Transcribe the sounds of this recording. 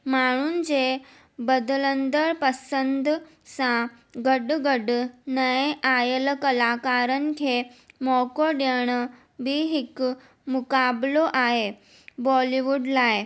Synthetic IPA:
məɽ̃uːnd͡ze | bəd̪lənd̪əɭpəsənd̪ | sã | ɡəɖɡəɖnəjeʔajəlkəlakaɾənkʰemɔkoɖeɳ̃ | biɦik | mukabloʔaɦe | bɔliʋuɖlae

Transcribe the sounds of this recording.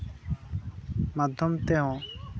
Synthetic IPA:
mad̪ʱjɔmt̪ɛɦɔ̃

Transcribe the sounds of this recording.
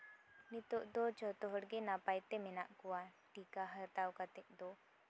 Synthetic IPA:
nit̪oʔd̪ot͡ʃɔt̪ɔɦɔɽɡenapajt̪eminaʔkuwaʈiːkaɦəɾt̪awkat̪eʔd̪o

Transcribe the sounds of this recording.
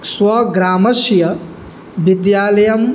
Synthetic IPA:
swɐɡɾaːmɐʃjɐ | ʋid̪jaːlɐjɐm

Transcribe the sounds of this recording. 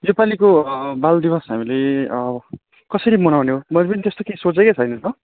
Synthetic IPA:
jopalikobald̪ibʌsɦamileʌbʌ | kʌsʌɾimʌnawneɦomʌlpʌnit̪est̪okesot͡seket͡sʰʌjnʌnʌ

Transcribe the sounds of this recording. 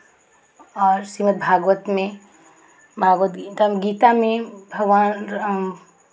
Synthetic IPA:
ɔːɾsimət̪̚bʱaːɡʋət̪mẽ | bʱaːɡʋət̪ɡit̪ameɡiːt̪amẽbʱɐɡʋan

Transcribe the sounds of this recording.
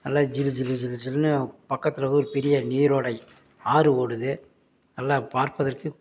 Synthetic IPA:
nɐlːaːd͡ʒɪlɯd͡ʒɪlɯd͡ʒɪlɯd͡ʒɪlnɯpɐkːɐt̪ːɪlɐɣɯɔɾɯpɛɾɪjɐniːɾoːɽɐɪ | aːɾɯoːɽɯðɯ | nɐlːaːpaːɾpɐðɐrkɯ

